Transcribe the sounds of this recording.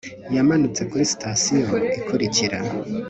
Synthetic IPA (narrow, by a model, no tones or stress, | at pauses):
jamanut͡se̞kuɾisi̥tʰasiɦoikʰuɾicʰiɾa̰